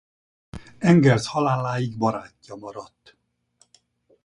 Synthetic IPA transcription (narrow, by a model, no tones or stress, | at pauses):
ɛŋɡɛrshɒlaːlːaːjiɡbɒɾaːcːɒmɒɾɒt̪ː